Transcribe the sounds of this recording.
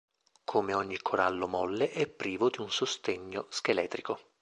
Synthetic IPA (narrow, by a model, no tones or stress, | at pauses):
kʰomeɔɲːikʰːoɾalːomɔlːeʔɛpːɾiːvod̪iunsost̪eɲːosk̟elɛːt̪ɾiko